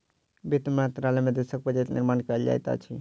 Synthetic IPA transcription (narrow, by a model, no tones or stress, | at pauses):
bit̪meɦt̪ɾalɛmed̪esək̚pəd͡ʒet̪nḭɾmankəld͡ʒa̰jt̪a̰t͡ʃʰi